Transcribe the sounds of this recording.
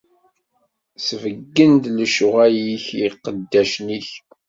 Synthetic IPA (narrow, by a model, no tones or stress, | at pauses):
svəɡːənd̪ləʃʊʁæjiçiqəd̪ːæʃniç